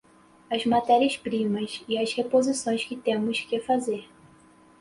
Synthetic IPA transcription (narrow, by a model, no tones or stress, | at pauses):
ɐzmat̪ɛɾiɐspɾĩmɐsɪɐshepozisõj̃skɪt̪ẽmʊskɪfazeɾ